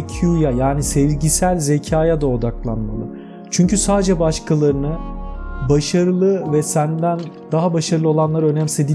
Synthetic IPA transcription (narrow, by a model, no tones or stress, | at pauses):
cʰjujajaːnisevɟisælʲze̞cʰaːjad̪ao̞d̪aklˠanmalˠɯ | t͡ʃʰyɲcysaːd̪ed͡ʒɛbaʃkʰalˠaɾɯnɯ | baʃaɾɯlˠɯvɛsænd̪æn | d̪aɦabaʃaɾɯlˠɯo̞lˠanlˠaɾø̞næmse̞d̪i